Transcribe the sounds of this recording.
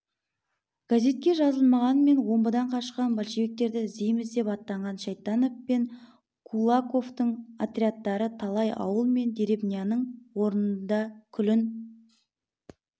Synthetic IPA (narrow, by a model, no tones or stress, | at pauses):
ɡ̥aze̞t̪̚kʲe̞ʒɑzəlˠmɑʁɑnəme̞nwo̞mbəd̪ɑɴqʰɑʃqɑnbalʃiβe̞k̚t̪e̞ɾd̪ɪzijmɪzd̪e̞pɑt̪ːɑɴʁɑnʃɑjt̪ːɑnoppeŋ | kʰulˠako̞ft̪əɴat̪ɾʲiat̪ːɑɾət̪ʰɑlˠɑjɑ̰wəlˠme̞nd̪eɾe̞bnijanəɴwo̞ɾənənnd̪ɑkʲʰʏlɪn